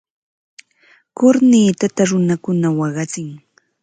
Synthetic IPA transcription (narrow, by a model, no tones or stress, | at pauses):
kʊɾniːt̪at̪aɾʊnakʊnawɑɢɑt͡sɪŋ